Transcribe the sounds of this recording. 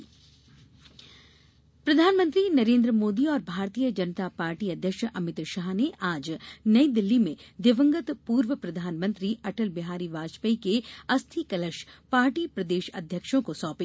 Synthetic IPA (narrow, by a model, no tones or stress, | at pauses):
pɾɐd̪ʱaːnmə̃nt̪ɾinɐɾẽːnd̪ɾəmoːd̪iɔːɾbʱaːɾt̪iːjəd͡ʒɐnət̪apaːɾʈiɐd̪ʱjəkʃʔɐmɪt̪ɾʃaɦneʔaːd͡ʒnɐid̪ɪlːimẽd̪ɪʋə̃ŋɡət̪puːɾʋəpɾɐd̪ʱaːnmə̃nt̪ɾiʔɐʈəlbɪɦaːɾiːʋaːd͡ʒpəikeɐst̪ʰikɐləʃpaːɾʈiːpɾɐd̪eːʃɐ̰d̪ʱjəkʃõkosɔːpe